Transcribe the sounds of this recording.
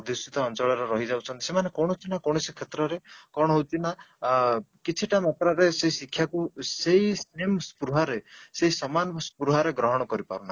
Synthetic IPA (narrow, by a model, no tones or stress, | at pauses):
ɔd̪isit̪ɔːnt͡ʃɔɭɔɾɔɾɔɦid͡ʒawt͡ʃʰɔnt̪i̥semanekoɽ̃ɔt͡ʃ̪ʰinakoɽ̃ɔsikʰet̪ɾɔɾekɔɽ̃ɔɦot̪ʰina | kit͡ʃʰiʈamat̪ɾaɾeseisikʰːjakuseɦisnemspuɾuɦaɾeseɦisɔmanspɾuɦaɾeɡɾɔɦɔɽ̃ɔkɔɾipa̰ɾuna